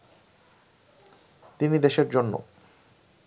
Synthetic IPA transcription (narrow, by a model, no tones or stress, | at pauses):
t̪inid̪eʃeɾd͡ʑonːo̰